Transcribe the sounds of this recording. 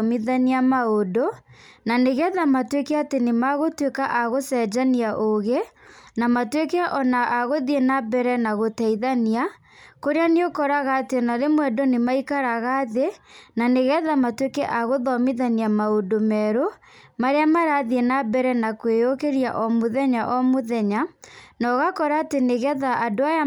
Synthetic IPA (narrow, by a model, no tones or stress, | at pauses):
miðaniamaodonaneɣɛðamatwekɛatenemaɣotwekaʔaɣosɛd͡ʒaniaʔoɣenamatwekɛaʔɔnaʔaɣoðienabɛɾɛnaɣotɛiðania | koɾeaneokɔɾaɣaːtenaɾemwɛdonemaikaɾaɣaðenaneɣɛðamatwekɛʔaɣoðɔmiðaniamaodomɛɾo | maɾeamaɾaðiɛnabɛɾɛnakweokeɾia̰ʔɔmoðɛɲaʔɔmoðɛɲanɔɣakɔɾaːteneɣɛðaadoaja